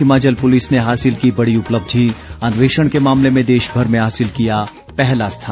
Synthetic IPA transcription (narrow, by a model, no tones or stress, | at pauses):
ɪmaːt͡ʃəlpʊlɪsneɦaːsɪlkibɐɽiʊpləb̚d̪ʱiɐ̃nʋeːʃəɽ̃kemaːmlemẽd̪eːʃbʱɐɾmẽɦaːsɪlkija | pɛɦlast̪ʰaː